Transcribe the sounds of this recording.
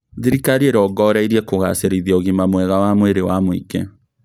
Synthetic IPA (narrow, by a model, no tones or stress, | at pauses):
ðiɾikaɾieɾɔɡɔɾaiɾiɛkoɣa̰seɾiðiɔɣimamwɛɣawamweɾewamwḭɡe